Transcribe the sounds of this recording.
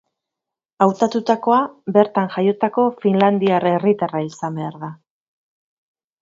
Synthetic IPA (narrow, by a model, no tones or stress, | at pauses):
awt̪at̪ut̪ako̞abe̞ɾt̪aŋʝajo̞t̪ako̞finland̪iarerit̪araisambe̞aɾða